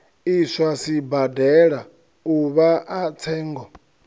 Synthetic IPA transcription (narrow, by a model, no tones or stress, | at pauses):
iswasibadɛɺa | uβaʔat͡sʰɛːŋɡɔ